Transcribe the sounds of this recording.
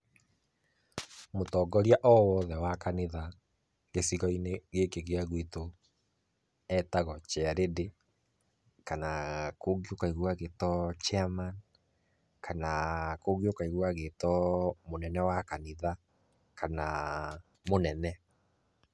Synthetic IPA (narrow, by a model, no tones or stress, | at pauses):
motɔːɡɔɾjaʔɔwɔːðɛwakaniða | ɣesiɣɔineɣekeɣeaɣwito | ɛtaɣɔt͡ʃɛaɾede | kanakoɣiokaiɣwaɣetɔt͡ʃɛaman | kanakoɣiokaiɣwaɣetɔmonɛnɛwakaniða | kana | monɛnɛ